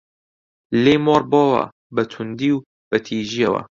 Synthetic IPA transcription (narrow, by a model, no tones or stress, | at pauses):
lejmɑːɾbɔːwɐ̰ | bɐt̪ʰund̪iːw | b̥ɐt̪ʰiːʒiːɐwɐ̰